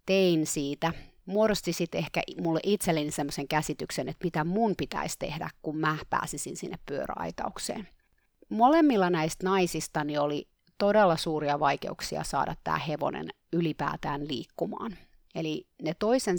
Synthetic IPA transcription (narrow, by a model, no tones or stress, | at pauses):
t̪einsiːt̪æ | morst̪isit̪ehkæ̰mulːeʔit̪selːenisemːoseŋkæsit̪yksenet̪mit̪æmunpit̪æ̰ist̪ḛhdæ̰kkummæpæ̰ːsisinsinːeppyøɾæ̰ɑ̰it̪ɑ̰uksḛːn | molemːilːɑnæist̪nɑisist̪ɑnioli | t̪odelːɑsuːɾiɑʋɑikḛuksiɑ̰sɑ̰ːdɑ̰t̪tæ̰ːheʋo̰nḛn | ylipæ̰ːt̪æːnlḭːkːumɑ̰ːn | elinet̪oisen